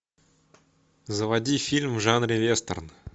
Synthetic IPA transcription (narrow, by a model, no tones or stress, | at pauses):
zəvɐdʲifʲilʲmʐanɾʲɪvʲest̪ə̰rn